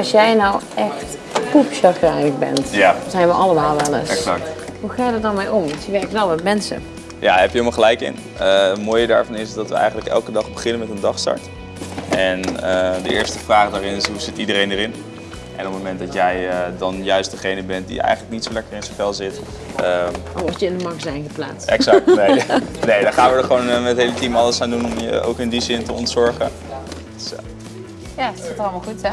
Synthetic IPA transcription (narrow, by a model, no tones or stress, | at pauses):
ɑlsjɛjnawɛxt | kupʃɑrtɛjnəkbɛ̰ntjanzɛjnʋəʔɑlˠəmaːlˠʋɛlˠə̰sɛsɑk̚tɦuχaːjədət̚dɑnmejɔmntəʋɛrkəʋɛlˠʋɛtmɛnsə̰ | ja̰ːɦɛpjəɦɪlmɑlˠχəlɛjkɪ̰n | əətmoːjəda̰ːɹvɑnɪsdɑtʋəɛ̰jχəntləkɛ̰lˠkədɑχbəχɪnənmɛtəndɑχstɑ̰ɹt | ɛnədəɪːɹstəvraːχdaːɾɪnɪsɦuz̥ɪtidərejndəɾɪn | ʔɛnɔp̚mowmɛnt̚dɑtjɛjədɑnjœɥstdəχejnəbɛnt̚dḭɛ̰jχəntlək̚nitsowlɛkərɪnsəfɛlˠzɪt | əɔəɪndəmɑɹkzɛjnχəpla̰ːtsɛ̰ksɑk̚tnenejdɑχaːnʋədəɹχəʋownmɛtɦejlətimɑləsaːndunɔməo̰wkɪndizɪntəɔntsɔɹχə | ds | jasatəɑlˠəmɑlˠχutɛ